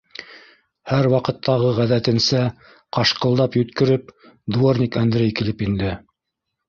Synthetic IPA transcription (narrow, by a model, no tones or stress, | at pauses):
hæɾwɑqɤ̆t̪ːɑʁɤʁæðæt̪ɘ̆nsæ | qɑʃqɤ̆lˠd̪ɑpjɵ̆t̪kɘ̆ɾɘp̚ | d̪uornʲikænd̪ɾejkilɘpind̪ɘ